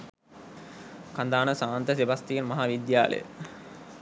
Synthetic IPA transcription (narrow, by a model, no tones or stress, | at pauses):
kand̪aːnəsaːnt̪əsibast̪ijenmɐɦaːʋid̪jaːlə̰jə̰